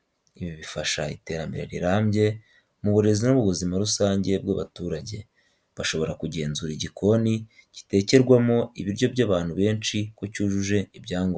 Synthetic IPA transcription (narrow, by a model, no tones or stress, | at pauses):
iβiβifaʃa̰ḭte̞ːɾamiɾḛɾiɾaːmɟe̞ | muβuɾe̞zinuβuɡuzimaɾusaːɲɟe̞bɡaβa̰tuːɾaɟe̞ | βaʃo̞βo̞ɾakuɟe̞ːnzuːɾiɟikʰo̞ni | ci̥te̞ːce̞ɾɡwamo̞iβiɾjo̞bɟaβaːn̥huβe̞ːnt͡ʃiko̞cuːʒuʒe̞ibjaːŋɡo